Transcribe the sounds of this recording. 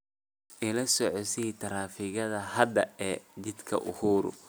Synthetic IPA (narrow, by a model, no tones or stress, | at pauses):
ʔɪlɐsɔʕɔsit̪ʰɐɾaːfɪɣɐðɐhɐd̪ɐɛːd̪ɪd̪kʰɐ̰ʔʊhuːɾʊ̰